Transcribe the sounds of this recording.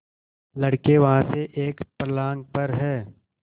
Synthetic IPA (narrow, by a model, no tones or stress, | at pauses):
lɐɽkeʋɐɦãseʔeːkpɾəlaːŋɡ̚pɐɾɦɛː